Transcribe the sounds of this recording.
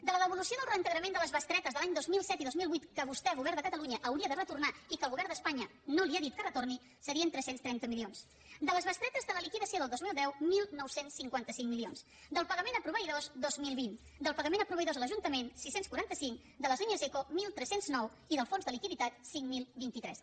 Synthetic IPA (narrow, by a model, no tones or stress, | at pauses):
d̪ələðəβulusioðəlˠrənt̪əɣɾəmend̪ələzβəst̪ɾɛt̪əzðəlaɲd̪ozmilˠsɛt̪iðozmilˠβwit̪kəβust̪ɛɣuβɛɾðəkət̪əluɲəʔəwɾiəðərət̪urnaikəlˠɣuβɛɾd̪əspaɲə | noliaðit̪kərət̪orni | səɾiənt̪ɾɛsenst̪ɾɛnt̪əmilions | d̪ələzβəst̪ɾɛt̪əzðələlikiðəsioðəlˠd̪ozmilˠd̪ɛwmilˠnɔwsensːiŋkwant̪əsiŋmilions | d̪əlˠpəɣəmenəpɾuβəiðozd̪ozmilˠβin | d̪əlˠpəɣəmenəpɾuβəiðozələʒunt̪əmensisenskuɾant̪əsiŋk | d̪ələzliɲəzekomilˠt̪ɾɛsenznɔw | iðəlˠfonzðəlikiðit̪at̪̚siŋmilˠbint̪it̪ɾɛs